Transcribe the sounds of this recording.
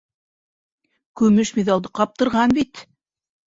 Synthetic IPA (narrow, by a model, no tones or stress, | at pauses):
kʉmɘʃmiðɑlˠd̪ɤqɑp̚t̪ɤ̆ɾʁɑnbit̪